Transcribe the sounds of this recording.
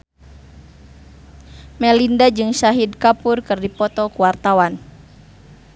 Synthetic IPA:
mɛlindad͡ʒɨŋʃaɦidkapurkɨrdipɔt̪ɔkuwart̪awan

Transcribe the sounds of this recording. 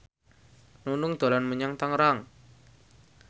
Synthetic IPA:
nunʊŋd̪̥o̤lanmuɲaŋt̪aŋɾaŋ

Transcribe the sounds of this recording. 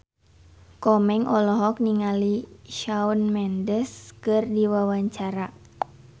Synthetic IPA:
kɔmɛŋʔɔlɔɦɔk̚niŋaliʃaunmɛndəskɨrdiwawaɲt͡ʃaɾa

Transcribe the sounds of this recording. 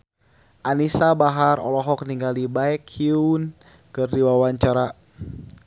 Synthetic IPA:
ʔanisabaɦaɾɔ̰lɔɦɔk̚niŋɡalibaɛkʰiun | kɨrdiwawaɲt͡ʃaɾa

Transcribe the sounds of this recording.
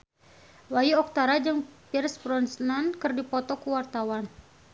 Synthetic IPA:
wajiɔk̚t̪aɾad͡ʒəŋpirsbɾɔnsnankɨrdipɔt̪ɔkuwart̪awan

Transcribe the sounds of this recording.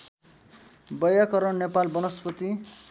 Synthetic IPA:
bʌjakʌɾʌɳnepalbʌnʌspʌt̪i

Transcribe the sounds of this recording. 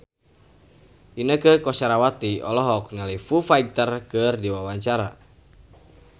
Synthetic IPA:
ʔinəkəkɔsaɾawat̪iɔlɔɦɔk̚nalifufait̪ərkɨrdiwawaɲt͡ʃaɾa

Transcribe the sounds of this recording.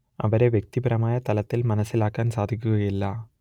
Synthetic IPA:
ɐ̰ʋɐɾeʋjek̚t̪ibɐɾɐmaːjɐt̪ɐlɐt̪ːɪlmɐnɐsːɪlaːkːaːnsaːd̪ʱikʲːuɣɐjilːɐː

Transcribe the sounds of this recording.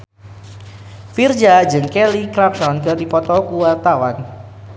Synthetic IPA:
fird͡ʒad͡ʒɨŋkɛlikɾapsɔnkɨrdipɔt̪ɔkuwart̪awan

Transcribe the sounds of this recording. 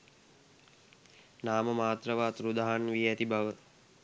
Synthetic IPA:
naːməmaːt̪rəʋaːt̪ɾud̪aɦanʋiæt̪ibaʋə

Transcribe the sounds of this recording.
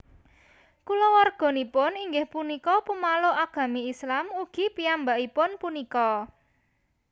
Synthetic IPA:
kulɔwarɡ̥ɔ̤nipʊniŋɡɪhpunikɔpumaloʔaɡ̥ä̤miislamuɡ̥i̤piambaʔipʊnpunikɔ

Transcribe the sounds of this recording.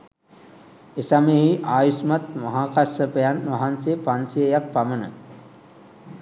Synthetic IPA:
esameɦiʔaːjusmat̪̚maɦaːkasəpejanʋaɦansejpansijəjak̚pamənə

